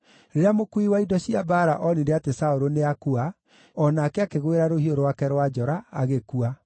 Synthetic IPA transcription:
ɾeeamokuiwaidɔɕiabaːɾa̰ʔɔniɾeatesaoɾoneakua | ɔnaːkeakeɣweɾaɾohioɾwakɛɾwad͡ʒɔɾa̰ːɣekua

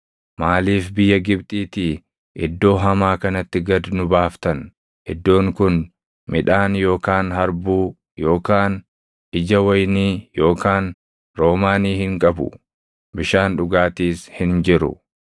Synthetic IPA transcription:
maːliːfbɪjːɐɡɪbt̪ʼiːt̪i | ʔɪd̪ːo̞ːɦɐmaːkɐnɐt̪ːɪɡɐd̪nʊbaːft̪ɐn | ʔɛd̪ːo̞ːŋkʊn | mɪᶑaːnjo̞ːkaːnɦɐɾbuː | jo̞ːkaːn | ʔɪd͡ʒɐwɐjniːjo̞ːkaːn | ɾo̞ːmaːniːhɪŋkʼɐbʊ̰ | bɪʃaːnᶑʊɡaːt̪iːshɪnd͡ʒɪɾʊ̰

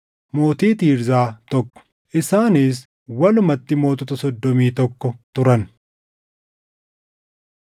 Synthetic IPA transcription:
mo̞ːt̪iːt̪iːɾzaːt̪ɔkːɔ̥ | ʔɪsaːniːs̬ | wɐlʊmɐt̪ːɪmo̞ːt̪ɔt̪ɐsɔd̪ːɔmiːt̪ɔkːɔt̪ʊɾɐn

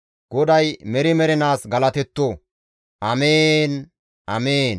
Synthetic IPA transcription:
ɡ̥ɔd̪ɐjmɛɾɪmɛɾɛnaːsɡɐlɐt̪ɛt̪ːoː | ʔɐmeːn | ʔɐ̰meːn

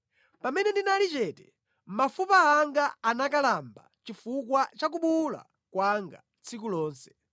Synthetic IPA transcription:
pamɛnɛndinalit͡ʃɛtɛ | mafupaːŋɡaanakalamba̰t͡ʃifukwat͡ʃak̬uɓula̰ | kwaŋɡa̰ | t͡sʰikulɔːnsɛ̥

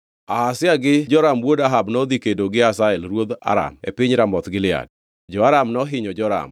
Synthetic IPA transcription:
ahasɪaɡɪd͡ʒɔɾamwodaɦabnɔd̪ikedoɡɪasaɛlɾwod̪a̰ɾa̰mḛpɪɲɾamɔt̪ɡɪlɪa̰d̚ | d͡ʒɔaɾamnɔɦɪɲɔd͡ʒɔɾa̰m

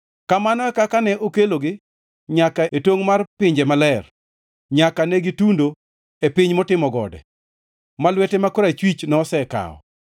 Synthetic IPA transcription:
kamanɔɛkakanɛʔokeloɡɪ | ɲakaetoŋmarpɪɲd͡ʒɛmalɛr | ɲakanɛɡitundo | epɪɲmɔtɪmɔɡɔ̰dɛ̰ | malwɛtɛmakoɾat͡ʃwit͡ʃnɔːsɛka̰ɔ̰

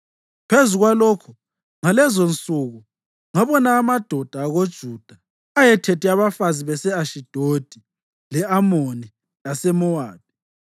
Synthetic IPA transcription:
pʰezuɣwalokʰu̥ | ŋalɛzont͡sʼuɣu | ŋaβɔnaːmad̥ʱɔd̥ʱaːɣod̥ʒ̥ʱud̥ʱa | ajɛtʰetiaβafaziβɛsɛaʃid̥ʱod̥ʱi | lɛʔamoni | asɛmɔwaːd̥̚i̥

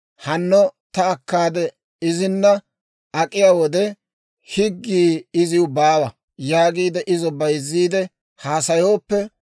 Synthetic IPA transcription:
hɐnːɔt̪ɐːkːaːd̪ɛ | ɪzɪnːɐ | ɐkʼɪjaːwɔd̪ɛ | hɪɡːiːɪzɪwʊbaːwɐ | jaːɡiːd̪ɛʔɪzɔbɐjzːiːd̪ɛ | haːsɐjo̞ːpːɛ

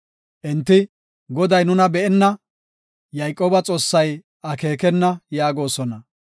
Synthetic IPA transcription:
ʔɛnt̪ːɪ | ɡɔd̪ɐjnʊnɐbɛʔɛnːɐ | jɐjkʼːoːbɐt͡sʼo̞ːsːɐj | ʔɐke̞ːkɛnːɐjaːɡo̞ːsɔnɐ

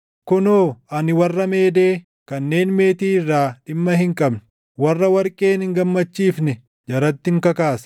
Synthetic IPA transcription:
kʊnoːɐnɪwɐrːɐmeːd̪eː | kɐnːe̞ːnme̞ːt̪iːrːaːᶑɪmːɐɦɪŋkʼɐbn | wɐrːɐwɐɾkʼeːnɪŋɡɐmːɐt͡ʃːiːfnɛ | d͡ʒɐɾɐt̪ːɪŋkɐkaːs

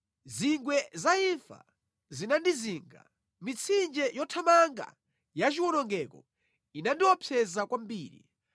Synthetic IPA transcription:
ziŋɡwɛzaiɱfa̰ | zinandiziːŋɡa̰ | mit͡sʰind͡ʒɛjɔtʰamaŋɡa̰ | jat͡ʃiwɔnɔŋɡɛkɔ̰ | inandiwɔpʰjɛzakwambiːɾḭ

